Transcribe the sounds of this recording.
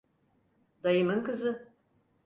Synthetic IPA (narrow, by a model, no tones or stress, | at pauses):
d̪̥ɐjɨmɨŋkɨzɨ